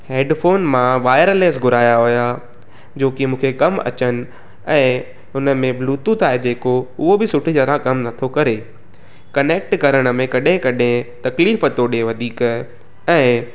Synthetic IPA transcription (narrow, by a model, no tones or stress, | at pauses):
heːɖfoːnmãʋaːɪjəɾəleːsɡʱʊɾaːjaɦʊja | d͡ʑoːkɪmũːkʰekɐmɐ̰t͡ɕənɪ̆ | ɛ̃ː | ʊnə̆mẽbluːt̪ut̪ʰaːɦed͡ʑeːkoʊɦobɪsʊʈʰid͡ʑəɾãkɐmnɐt̪ʰokɐɾe | kɐneːk̚ʈkɐɾəɽ̃ə̆mẽkɐɗẽkɐɗẽt̪ɐkliːfət̪oːɗeʋɐd̪ʱiːk | ɛ̃ː